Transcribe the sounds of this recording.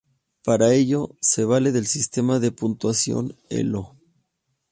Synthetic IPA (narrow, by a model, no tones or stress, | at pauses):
paɾae̞ʝo̞se̞β̞ale̞ðe̞lsist̪e̞maðe̞punt̪wasjo̞̰nḛlo